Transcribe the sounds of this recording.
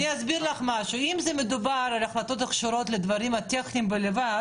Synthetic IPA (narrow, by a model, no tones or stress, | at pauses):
niasbiɾlaχmaʃuimzemed̪ubaɾalaχlat̪o̞t̪aχʃoɾo̞t̪led̪vaʁimhat̪eχnimbeleva